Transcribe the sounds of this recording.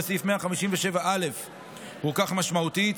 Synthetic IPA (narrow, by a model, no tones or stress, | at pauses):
sifmeaχamiʃimveʃe̞vaʔale̞f | hukaχmaʃmaut̪it̪